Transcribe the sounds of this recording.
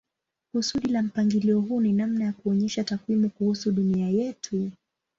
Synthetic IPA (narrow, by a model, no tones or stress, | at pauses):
kusuɗilam̩paŋɡiliɔɦuninamnajakuɔɲɛʃatakwimukuhusuɗuniajɛtʰu